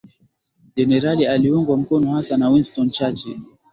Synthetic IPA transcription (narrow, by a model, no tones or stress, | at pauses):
d͡ʒɛnɛɾalialiuŋɡwam̩kɔnɔhasanawinstɔnt͡ʃat͡ʃi